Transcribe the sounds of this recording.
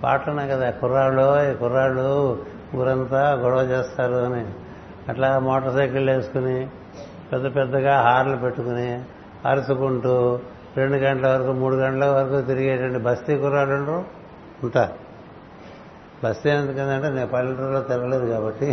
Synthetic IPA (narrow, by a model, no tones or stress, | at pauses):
pa̰ːʈlɐnaːkɐd̪aːkuɾaːlːoːikuɾaːlu | ɡuɾɐnt̪aɡɔɽɐʋɐt͡ʃeːst̪aːɾuɐni | ɐʈlaːmɔːʈɐɾsɐjkilːe̞ːsu̥kuni | pɛd̪ːɐpɛd̪ːɐɡaːɦaːɾlupe̞ʈːukuni | ɐɾsukuɳʈuː | ɾe̞ɳɖuɡɐɳʈɐlɐʋɐɾɐkumuːɽuɡɐɳʈɐlɐʋɐɾɐkuːt̪iɾiɡeːʈɐɳɖibʱɐst̪iːkuɾaːlɐɳɖɾoː | uɳʈaːɾ | bʱɐst̪iɐnd̪ukɐnd̪ɐɳʈeːneːpɐliʈulːoːt̪iɾɐɡɐle̞ːd̪ukaːbɐʈːi